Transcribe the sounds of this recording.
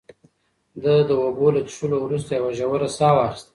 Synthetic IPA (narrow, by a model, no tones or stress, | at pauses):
d̪ad̪əobolat̪əʂulowɾus̬t̪ajawaʒawəɾasɑwɑxɪ̥st̪a